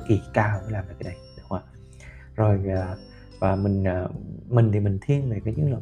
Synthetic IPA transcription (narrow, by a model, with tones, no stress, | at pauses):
ki˨˩kaː˧˩˨ə˧˦laː˨˩maː˨˧˩kːaː˨˧˦ɗa˧˩jɗŋ͡mwaː˨˩ | zo˨˩jaː˨˩ | vaː˨˩mï˨˩ŋ̟ː˨˩mï˨˩ŋ̟t̪ʰi˨˧˩mï˨˩ŋ̟t̪ʰi˧ənve˨˩kaː˨˦zɨ˨˦ŋlə˨˧˩